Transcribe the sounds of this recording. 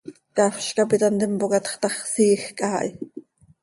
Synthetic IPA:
kɑfʃkapit̪ɑnt̪əmpokɑt̪χt̪ɑχsiːxkʼaːʔj

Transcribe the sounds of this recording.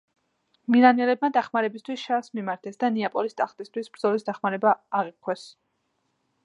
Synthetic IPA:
milanɛlɛb̚mad̪aχmaɾɛbist̪ʰwisʃasmimaɾt̪ʰɛsd̪aniapʼɔlist̪ʼaχt̪ʼist̪ʰwisbɾd̪zɔlisd̪aχmaɾɛbaːʁiqʰwɛs

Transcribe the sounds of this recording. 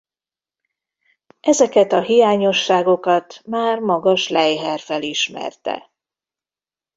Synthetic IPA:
ɛzɛkɛt̪ɒɦijaːɲo̞ʃːaːɡo̞kɒt̪maːrmɒɡɒʃlɛjɦɛrfɛliʃmɛ̰rt̪ɛ̰

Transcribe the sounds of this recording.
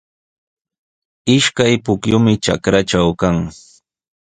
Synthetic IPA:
ɪʃkajpʊkjʊmɪʈ͡ʂa̰kɾaʈ͡ʂawkaŋ

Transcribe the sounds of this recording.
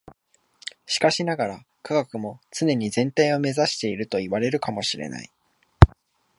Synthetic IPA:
ɕi̥kaɕinaɡaɾa | kʰaɡakɯ̟mo̞t͡sɨne̞ɲ̟izẽ̞nt̪aio̞me̞zaɕi̥t̪e̞iɾɯ̟t̪o̞iβaɾe̞ɾɯ̟kamo̞ɕiɾe̞̰na̰i

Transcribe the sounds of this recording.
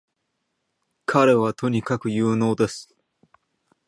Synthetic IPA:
kʰaɾe̞β̞at̪ʰo̞ɲ̟ikakɯ̟jɯːno̞ːd̪e̞sɨ̥

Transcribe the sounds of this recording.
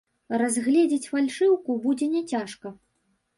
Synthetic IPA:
razɣlʲɛd͡zʲɛt͡sʲfalʲʂɨwkubud͡zʲɛnʲɛt͡sʲaʂkɐ

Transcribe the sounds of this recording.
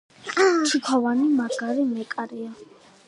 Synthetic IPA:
t̪ʰikʰɔvanimaɡaɾimɛkʼaɾia

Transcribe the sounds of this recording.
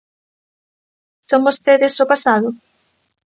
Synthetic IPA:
soŋbost̪eðɪsopasaðʊ

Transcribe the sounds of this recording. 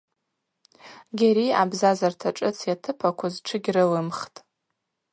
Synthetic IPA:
ɡʲaɾia̰bzazartʰaʈ͡ʂʼɨt͡sʰjatʰɨpʰakʷʰazʈ͡ʂʰɨɡʲrɨlɨmχtʼ

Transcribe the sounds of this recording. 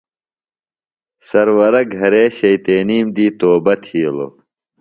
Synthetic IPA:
sɐɾwɐɾɐɡʱɐɾeːɕɐjt̪eːniːmd̪iːt̪oːbɐt̪ʰiːlo̰

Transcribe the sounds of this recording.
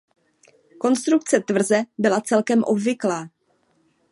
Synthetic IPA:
ko̞nst̪ɾuk̚t͡sɛt̪vr̩zɛbɪlat͡sɛlkɛmʔo̞bvɪklaː

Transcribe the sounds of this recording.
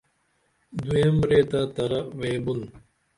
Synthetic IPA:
d̪uembɾeːt̪at̪ɐɾɐʋeːbun

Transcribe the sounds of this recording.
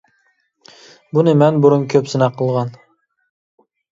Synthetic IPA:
bunɘmænbʊɾʊmkʰʲɵpsɪnæqɤ̆lˠʁɑn

